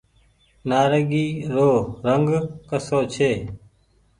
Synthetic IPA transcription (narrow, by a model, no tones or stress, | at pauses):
naːɾəɡiːɾoːɾəŋɡkəsoːt͡ʃʰeː